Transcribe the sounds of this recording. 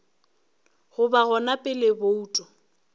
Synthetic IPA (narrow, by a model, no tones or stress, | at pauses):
ɣʊbaɣɔnapʼɪlɪbouːtʼɔ